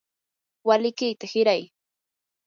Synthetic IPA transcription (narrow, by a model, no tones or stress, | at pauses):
walɪkɪjt̪ahɪɾaj